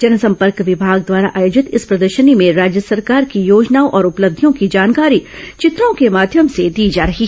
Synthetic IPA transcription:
d͡ʒɐnəsɐ̃mpəɾkʋɪbʱaːɡd̪waːɾaʔaːjoːd͡ʒɪt̪ɪspɾɐd̪əɾʃənimẽɾaːd͡ʒjəsɐɾkaːɾkijoːd͡ʒnaːõʔɔːɾʊpləb̚d̪ʱjõkid͡ʒaːnkaːɾit͡ʃɪt̪ɾõkemaːd̪ʱjəmsed̪iːd͡ʒaːɾɐɦi

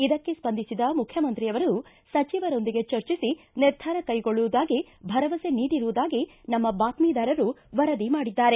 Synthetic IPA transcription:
id̪ɐkːe̞spɐnd̪ʱisid̪ɐmukʰjɐmɐnt̪ɾijɐʋɐɾɐnu | sɐt͡ʃiʋɐɾo̞nd̪iɡe̞t͡ʃɐɾt͡ʃisi | niɾd̪ʱaːɾɐkɐjɡo̞ɭːuʋud̪aːɡi | bʱɐɾɐʋɐse̞niːɽiɾuʋud̪aːɡinɐmːɐbaːt̪miːd̪aːɾɐɾuʋɐɾɐd̪imaːɽid̪ːaːɾe̞

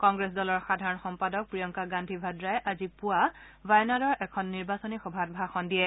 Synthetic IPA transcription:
kɔŋɡɹɛsdɔlɔɹxadʱaɹɔnxɔmpadɔk̚pɹijɔŋkaɡãndʱibʱadɹajɛʔazipʊa | vajnadɔɹʔɛkʰɔnːiɹbasɔnixɔbʱat̚bʱaxɔndijɛ

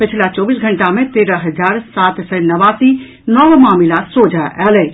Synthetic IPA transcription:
pɪt͡ʃʰilat͡ʃɔːbiːsɡʱəɳʈamẽt̪eːɾəɦɐd͡ʒaːɾsat̪sənɐʋaːsi | nɔʋmaːmilasod͡ʒʱaɛːlɛ

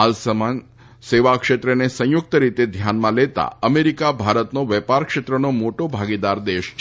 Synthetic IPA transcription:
alsəman | seʋakʃet̪ɾənesə̃jʊk̚t̪əɾit̪ed̪ʱjanmãlet̪a̰əmeɾikabʱaɾət̪noʋɛpaɾkʃet̪ɾənomoʈobʱaɡid̪aɾd̪eʃ

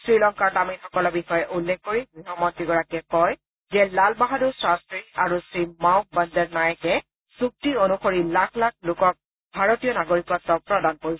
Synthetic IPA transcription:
sɹilɔŋkaɹtaminxɔkɔlɔbixɔjɛʔulːɛkkːoɹiɡɹiɦɔmɔtiɡɔɹakɛkɔj | zɛlalbaɦadusɹastɹiaɹusɹimawk̚bandɛɹnajkɛ | suk̚tionuxoɹilak̚ʰlak̚ʰlʊkɔk̚ | bʱaɹotijɔnaɡoɹikɔtːɔpɹɔdankoɹisɛ

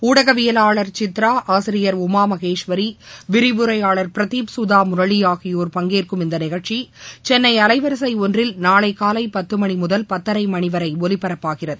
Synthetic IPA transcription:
uːɽɐɣɐʋɪjɐlaːɭɐɾt͡ʃɪt̪ɾaːʔaːsɪɾɪjɐɾʊmaːmɐɣeːʂʋɐɾiʋɪɾɪʋɯɾɐɪaːɭɐɾpɪɾɐt̪iːpsʊðaːmʊɾɐɭijaːɣɪjoːɾpɐŋɡeːrkɯmɪnd̪ɐnɪɣɐɻt͡ʃit͡ʃɛnːɐɪɐlɐɪʋɐɾɐs̬ɐɪɔndrɪlnaːɭɐɪkaːlɐɪpɐt̪ːɯmɐɳimʊðɐlpɐt̪ːɐɾɐɪmɐɳɪʋɐɾɐɪɔlɪpːɐɾɐpːaːɣɪrɐðɯ

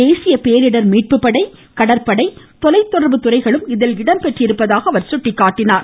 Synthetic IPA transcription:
eːsɪjɐpejɐɾɪɽɐɾmiːʈ̚pɯpːɐɽɐɪ | kɐɽɐɾpɐɽɐɪ | t̪ɔlɐɪt̪ːɔɽɐɾbɯt̪ʊrɐɪɣɐɭɯmɪðɪlɪɽɐmpɛʈrɪɾɯpːɐðaːɣɐːʋɐɾsʊʈːɪkːaːʈːɪnaːɾ

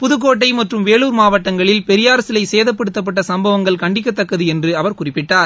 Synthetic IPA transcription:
pʊðɯkːoːʈːɐɪmɐʈrɯmʋeːɭuːɾmaːʋɐʈːɐŋɡɐɭɪlpɛɾɪjaːɾɐsɪlɐɪseːðɐp̬ːɐɽɯt̪ːɐp̬ːɐʈːɐsɐmbɐʋɐŋɡɐɭkɐɳɖɪkːɐt̪ːɐkːɐðɯɛndrɯɐʋɐɾkʊrɪpːɪʈːaːɾ

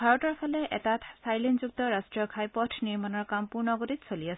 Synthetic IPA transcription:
bʱaɹɔtɔɹpʰɔlɛɛ̰tatsajlinzuk̚tɔɹastɹijɔkʰajpɔtʰniɹmanɔɹkampuɹnɔɡotitsoliasɛ

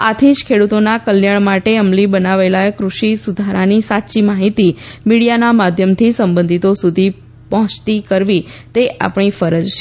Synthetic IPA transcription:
at̪ʰiʃkʰeɽut̪onakəljaɭmaʈeəmlibənaʋelakɾuʃisud̪ʱaɾanisatːʃimaɦit̪imiɽijanamad̪ʱjəmt̪ʰisəmbə̃nd̪ʱit̪osud̪ʱi | pəɦɔ̃t͡ʃt̪ikəɾʋit̪eʔa̰pɳ̃ifəɾəd͡ʒʃ

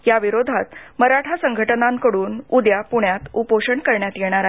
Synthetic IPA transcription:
jaʋiɾod̪ʱat̪məɾaʈʰasəŋɡʱəʈənãŋkəɽuːnud̪japuɳjat̪upoʂəɳkəɾɳjat̪jeɽ̃aɾa

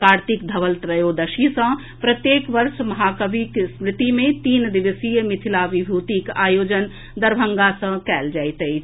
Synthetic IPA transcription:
kaːɾt̪ikd̪ʱɐʋəlt̪ɾəjod̪əʃisə̃ | pɾət̪jeːkʋɐɾʃmɐɦaːkəbʱiksmɾɪt̪imẽt̪iːnd̪ɪʋəsijmɪt̪ʰilaʋibʱuːt̪ikaːjoːd͡ʒən | d̪ɐɾbʱə̃ŋɡasə̃kɛːld͡ʒaːit̪əi

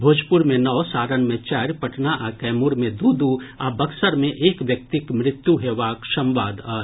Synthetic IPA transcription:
bʱoːd͡ʒpʊɾmẽnɐʋsaːɾənmẽt͡ʃaːɾpɐʈnaʔakɛːmʊɾmẽd̪uːd̪uabɐksəɾmẽʔeːkʋjɐk̚t̪ɪkmɾɪt̪juɦeːʋaːkʃɐ̃mʋaːd̪a

